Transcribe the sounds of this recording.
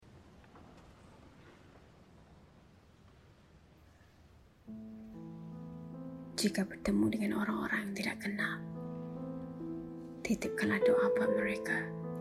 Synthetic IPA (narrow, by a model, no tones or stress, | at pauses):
d͡ʒikabərt̪əmudəŋanoɾaŋo̰ɾaŋjaŋt̪idaʔkənal | t̪it̪ɪp̚kəladoʔapaməɾeka